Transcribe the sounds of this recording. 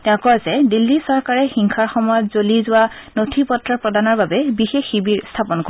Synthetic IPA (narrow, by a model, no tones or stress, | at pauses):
tɛʊ̃kɔazɛdilːisɔɹkaɹɛxiŋkʰaɹxɔmɔjɔtz̥olizʊwanotʰipɔtɹapɹɔdanɔɹbabɛbixexːibiɹstʰapɔnko